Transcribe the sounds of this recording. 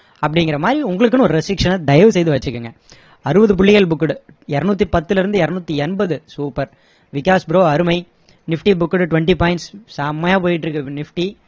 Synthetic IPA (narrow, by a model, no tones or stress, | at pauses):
ɐpːɐɽɪŋɡɪɾɐmaːd̪ɾiʊŋɡɐɭɯk̬ːɯnʊ̃ɔɾɯɾɛsʈɪkʂɐnɐd̪ɐjɐʋɯsɛjðɯʋɐt͡ʃːɯkːɯŋɡɐ | ɐɾɯbɐðɯp̬ʊɭːɪɣɐɭbʊkːɐɽɯ | ɛɾɐnuːt̪ːipɐt̪ːɪlɪɾɯnd̪ɯɛɾɐnuːt̪ːiɛnbɐðɯsuːpɐɾ | ʋɪkaːsbɪɾoːɐɾɯmɐɪ | nɪfʈibʊkːɐɽɯʈʊʋɛɳʈipaːɪɳʈssaːmːɐjaːp̬oːjɪʈ̬ːɪɾɯkːɯnɪfʈi